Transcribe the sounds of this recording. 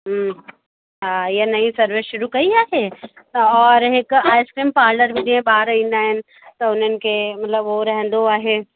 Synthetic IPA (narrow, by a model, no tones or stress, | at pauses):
ɦajenɐisɐɾʋɪʃʊɾukɐiaːɦe | ɔːɾɦekaːɪskɾiːmpaːɾɖəɾbʱid̪iẽbaːɾɐĩnaːɪ̃n | t̪oʊnenkemɐt̪ləbʋoɾɛɦɛ̃nd̪oaːɦe